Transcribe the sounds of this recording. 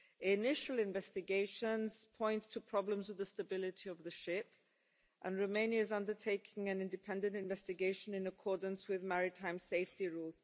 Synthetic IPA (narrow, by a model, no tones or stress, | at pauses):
ɪnɪʃəl̩ˠɪ̃ɱvɛstɨɡeɪʃə̃nz̥pʰɔ̃ɪ̃ntʰəpʰɹ̥ɑblə̃mzwɨðəstəbɪlɪtʰiʌvðəʃɪp | ʔə̃nɹoʊmẽɪ̃njəɪzʌ̃ndə˞tʰeɪkʰɪ̃ŋɨ̃nɪ̃ndɨpʰɛ̃ndə̃ntɪ̃ɱvɛstɨɡeɪʃə̃nɨ̃nəkʰɔɹdⁿn̩swɪðmæɹɪtʰãɪ̃mseɪftiɹulˠz̥